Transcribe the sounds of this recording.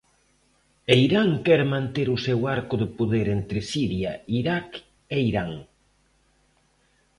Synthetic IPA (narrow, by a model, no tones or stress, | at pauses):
eiɾaŋkɛɾmãnt̪eɾʊsewaɾkʊðɪpoðeɾent̪ɾɪsiɾjaiɾak | eiɾaŋ